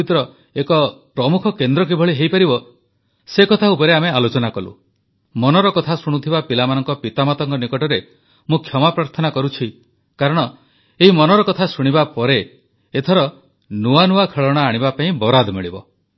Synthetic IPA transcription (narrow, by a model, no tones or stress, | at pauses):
it̪ɾɔ | ekɔpɾɔmukʰɔkend̪ɾɔk̬ibʱɔɭiɦejpaɾibɔ | sekɔt̪ʰaupɔɾeamealot͡ʃɔnakɔlṵ | mɔnɔɾɔkɔt̪ʰasuɽ̃ut̪ʰibapilamanɔŋkɔpit̪amat̪ɔŋkɔnikɔʈɔɾe | mũkʰjɔmapɾaɾt̪ʰɔnakɔɾut͡ʃʰi | kaɾɔɽ̃ɔ | eɦimɔnɔɾɔkɔt̪ʰasuɽ̃ibapɔɾe | et̪ʰɔɾɔ | nuanuakʰeɭɔɽ̃aːɽ̃ibapaĩbɔɾad̪ʱmiɭibɔ